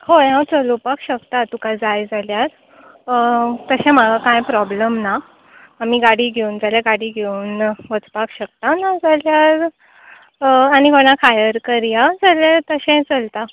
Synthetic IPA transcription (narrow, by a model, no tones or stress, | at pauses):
hoãwt͡səlupakɕəkt̪at̪ukad͡zajd͡zaljaɾ | t̪əɕɛ̃m̤aɡakãjpɾɔbləmna | am̤iːɡaɽiːɡʱeund͡zaljaɡaɽiːɡʱeunʋət͡spakɕək̚t̪anad͡zaljaɾ | añiɡʱoɽ̃ãkʰajəɾkəɾjad͡zaljet̪əɕẽt͡səlt̪a